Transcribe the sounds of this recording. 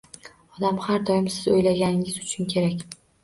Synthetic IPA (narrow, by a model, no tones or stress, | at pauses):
ɒd̪amhaɾd̪ɒjɪmsɪzojlaɡʲanɪɪzʊt͡ʃʰʊnkʲʰe̞ɾakʲ